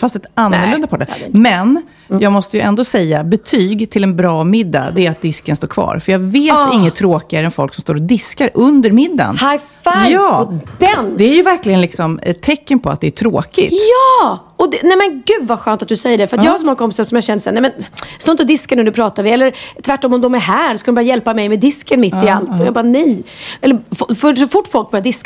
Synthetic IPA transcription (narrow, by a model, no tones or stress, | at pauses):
fast̪ɛt̪anːəɭɵnd̪apʰɑʈ̚ːəmɛn | jɑːɡmɔst̪əjɵʔɛnd̪oːsɛjːabɛt̪ʰyːɡt̪ʰɪlɛnbɾɑːmɪd̪ːa̰d̪ɛæɾat̪̚d̪ɪskənst̪oːɾkʰvɑ̰ːɾfœɾjɑːɡveːt̪ɪŋːət̪ʰɾoːkɪɡaɾəɛnfɔ̰lksɔmst̪oːɾɔd̪ɪskaɾʔɵnd̪əɾmɪd̪ːa̰nhaj | jɑːd̪ɛnd̪ɛæɾjɵvæɾklɪɡənlɪksɔmɛt̪ʰːɛkːənpʰɔa̰t̪̚d̪ɛæʈʰɾo̰ːkɪt̪jɑː | ɔd̪ɛnɛmɛnɡʉ̟ːd̪vaɧœːnt̪at̪̚d̪ɵsɛjːəɖɛfœɾat̪jɑːɡhaʂɔmɔŋːakʰɔmpɪsaʂɔmjaːɕɛnd̪əsa̰ɾnɛmɛnst̪oːɪt̪əɔd̪ɪskaɳʉ̟ːnɵpʰɾɑːt̪aɾvɪɛlːəɾt̪ʰvæʈːɔmːɔmd̪ɔmæɾɦæːɾɔskad̪nmbɑɾjajɛlpamɛjmɛd̪ɪskənmɪt̪ːɪalt̪ɔjɑːɡbɑːanɛjɛlːəfɔfœʂɔfʊʈːfɔlk̚bœɾjad̪ɪsk